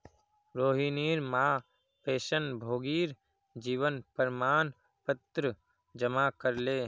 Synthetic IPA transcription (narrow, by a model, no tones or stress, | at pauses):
ɾoːɦiːniːɾmaː | peːʃənbʱoːɡiːɾ | d͡ʒiːʋənpəɾmaːn | pət̪ɾə | d͡ʒəmaːkəɾleː